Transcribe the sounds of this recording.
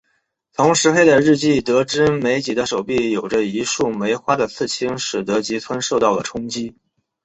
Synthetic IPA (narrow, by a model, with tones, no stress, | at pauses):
t̪ʰʊ˧˥ŋʂɻ̩˧˥xe˥ɪt͡sa˥˧ɪɻ̩˥˧t͡ɕi˥˩t̪ɤ˧˥ʈ͡ʂɻ̩˥me˧˥ɪt͡ɕi˨˩d̪ə˦ʂo˨˩ʊpi˥˩jo˨˩ʊʈ͡ʂə˦i˧˥ʂu˥˩me˧˥ɪxwa˥d̪ə˨t͡sʰɹ̩˥˩t͡ɕʰi˥ŋʂɻ̩˨˩t̪ɤ˧˥t͡ɕi˧˥t͡sʰwa˥nʂo˥˧ʊt̪ɑ˥˩ʊd̪ə˩ʈ͡ʂʰʊ˥ŋt͡ɕi˥